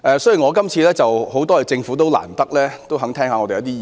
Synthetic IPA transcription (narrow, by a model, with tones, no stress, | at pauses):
ʔɛː˨sɔ˥ji˨˩ŋɔː˨˧kɐ˥mt͡sʰiː˧lɛː˥t͡sɐ˨who˨˥wt̪ɔː˥jɐ˨˩t͡sɪ˧ŋfuː˨˥t̪o˥wla̰ː˨˩nt̪ɐ˥k̚lɛː˥t̪o˥wɦɐ˨˥ŋt̪ʰɛː˥ŋaː˨˧ŋɔː˨˧t̪e˨jɐ˨˧˦t̪̬iː˥˨